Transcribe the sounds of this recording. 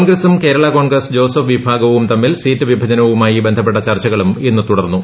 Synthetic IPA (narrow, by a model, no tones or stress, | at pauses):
ɳɡɾɐsumke̞ːɾɐɭɐko̞ːɳɡrɐsd͡ʑo̞ːsɐfʋibʱaːɡɐʋumt̪ɐmːilsiːtːɨʋibʱɐd͡ʑɐnɐʋumaːjibe̞nd̪ʱɐp̬ːe̞ʈ̬ːɐt͡ɕɐrt͡ɕɐɣɐɭuminːɨt̪uɽɐrnːu